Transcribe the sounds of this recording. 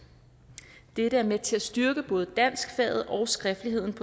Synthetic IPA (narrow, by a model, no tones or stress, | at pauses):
d̥eɾ̥əæɐmet͡sʰe̝læsd̥yɐɡ̥əb̥ɔ̽ːð̞̩ˠəd̥æn̰sɡ̥fɛ̰ð̩ˠʔɒ̽ʊsɡ̥ʁɛfd̥əliɦe̝ð̰ˠn̩pʰɒ